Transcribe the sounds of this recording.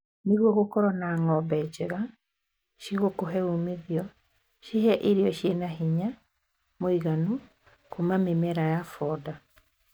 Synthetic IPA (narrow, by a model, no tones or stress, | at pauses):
neɣwɔɣokɔɾɔnaŋɔbɛd͡ʑɛɣa | ʃiɣokoɦɛomeðjɔ | ʃiɦɛʔeɾiɔʃjenaɦiɲa | moiɣanu | komamemɛɾajafɔda